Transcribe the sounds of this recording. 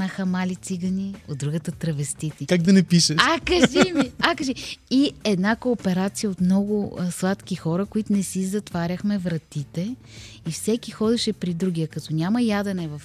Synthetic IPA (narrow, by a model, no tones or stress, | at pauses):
nəxəmalit̪siɡənʲiod̪d̪ɾuɡət̪ət̪ɾɐvɛst̪it̪ikaɡd̪ɐnɛpiʃəʃakɐʒimiakəʒiiɛd̪nakoːpɛɾat̪sijəot̪mnɔɡʊslˠat̪kʲixɔɾəkoit̪ʊnɛsizɐt̪vaɾʲəxmɛvɾɐt̪it̪ɛ | ifsɛkixɔd̪ɛʃɛpɾid̪ɾuɡ̟ijəkɐt̪ɔnʲamɐjad̪ɐnɛvɐf